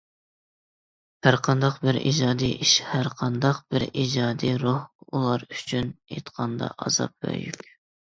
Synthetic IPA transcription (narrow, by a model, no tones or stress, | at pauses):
hæɾqʰɑnd̪ɑqbɪɾḭd͡ʒɑːd̪ijʔiʃhæɾqʰɑnd̪ɑqbɪɾid͡ʒɑːd̪ijɾuhulˠɑɾyt͡ʃʰynet̪qʰɑnd̪ɑ̰ʔɑz̥ɑ̰p̚bæ̰jy̰kʲ